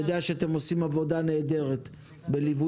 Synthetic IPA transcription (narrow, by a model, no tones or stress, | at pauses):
od̪eaʃeat̪e̞mo̞simavo̞d̪ane̞ːd̪e̞ʁe̞t̪ | be̞livu